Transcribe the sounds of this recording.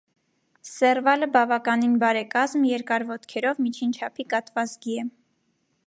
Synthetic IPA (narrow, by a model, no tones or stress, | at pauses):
sɛrvɑləbɑvɑkɑninbɑɾɛkɑzmjɛɾkɑɾvɔt̪kʰɛɾɔvmit͡ʃʰint͡ʃʰɑpʰikɑt̪vɑt͡sɡiɛ